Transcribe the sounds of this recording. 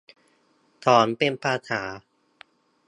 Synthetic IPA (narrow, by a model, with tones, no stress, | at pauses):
t̪ʰɔː˩˦npe˧npʰaː˧t̪ʰaː˩˦